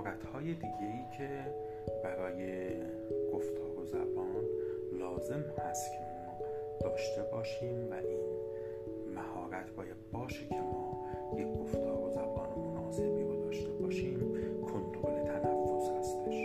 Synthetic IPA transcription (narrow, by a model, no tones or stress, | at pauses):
ɾæt̪ʰhɒːje̞d̪iːɟeiːcʰe̞ | bæɾɒːje̞ | ɡ̥o̞ft̪ʰɒːɾozæ̰bɒːn | lɒːze̞mhæst̪cʰe̞mɒː | d̪̥ɒːʃt̪e̞bɒːʃiːmvæʔiːn | mæhɒːɾæt̪ʰbɒːjæd̪̥̚bɒːʃecʰe̞mɒː | jeɡo̞ft̪ʰɒːɾo̞zæbɒːnemonɒːse̞biːɾod̪ɒːʃt̪e̞bɒːʃiːmkʰo̞nt̪ʰɾole̞t̪ʰænæfːo̞shæst̪eʃ